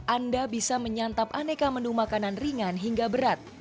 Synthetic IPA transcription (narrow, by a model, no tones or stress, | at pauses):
ʔandabisaməɲant̪ap̚anekamənumakananriŋanɦiŋɡabəɾat̪̚